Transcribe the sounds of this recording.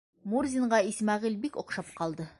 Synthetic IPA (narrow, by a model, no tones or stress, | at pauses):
murzʲiɴɢɑismɑʁilbikŏqʃɑpqɑlˠd̪ɤ